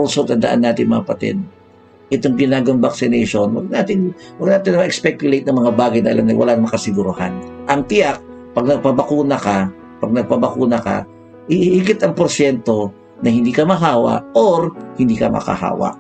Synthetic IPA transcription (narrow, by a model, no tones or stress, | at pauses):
usot̪ɐnd̪ɐʔa̰nːaːt̪ɪŋmɐapɐt̪ɛ̰n | ʔɛt̪oŋɡɪnaːɡɐmbɐk̚sɪnɛjʃonwɐɡnaːt̪ɪŋwɐɡnaːt̪ɪnɐmɐʔɛkspɛkjʊlejt̪̚nɐŋmɐŋabaːɡɐjnɐʔɐlamnɐ̰jwʔɐ̰lanmɐkɐsɪɡuɾʊhanʔɐŋt̪ɪjak̚pɐɡ̚nɐɡ̚pɐbɐkuːnɐka | pɐɡ̚nɐɡ̚pɐbɐkuːnɐka̰ | ɪhiɡɪt̪ɐŋpoɾʃɛnt̪o̞ | nɐhɪnd̪iːkɐmɐɦaːwɐ̰ʔʔoɾhɪnd̪iːkɐmɐ̰ka̰ha̰ːwɐ̰ʔ